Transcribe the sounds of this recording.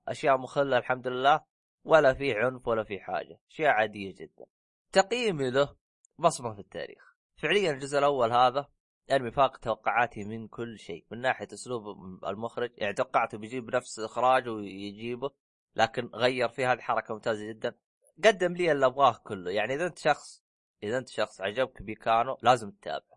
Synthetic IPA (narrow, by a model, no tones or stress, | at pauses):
ʔaʃjaːʔmʊxalːalħamd̪ʊlɪlːaː | walːafiːʕʊnfwalːafiħa̰ːd͡ʒaʔaʃjaːʔʕaːd̪ɪjːad͡ʒɪd̪̥ːa̰n | t̪ɑqjiːmila | bɑsˤmɑfit̪ːa̰ːɾḭːx | fɪʕlɪjːanld͡ʒʊzʔɪlʔawːalɦaːða | ʔanmijfaːqt̪awɑqːʊʕaːt̪ʰimɪnkʊlːʃḛːmɪnːaːħɪjaʔʊsluːba̰lmʊxɾɪd͡ʒjʔa̰ʕnit̪awɑqːɑʕt̪wbjd͡ʒiːbnafsɪlʔɪxɾˤɑːd͡ʒwjd͡ʒiːbʊ | lʔaːkɪnɣajːɑɾˤfiːhaːðiħɑɾˤɑkamʊmt̪aːzad͡ʒɪd̪ːan | ɡad̪ːɪmliːʔɪlːʔabɣɑːhkʊlːʊjaʕniʔɪðaʔɪnt̪ʃɑxsˤ | ʔɪðaʔɪnt̪ʃɑxsˤʕad͡ʒab̚kbikaːnulaːzɪmt̪ːa̰ːbʕa